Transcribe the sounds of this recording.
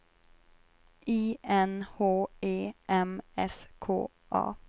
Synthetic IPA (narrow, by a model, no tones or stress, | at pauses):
ʔiːʔɛnhoːeːʔɛmɛskʰo̰ː | ʔɑ̰ː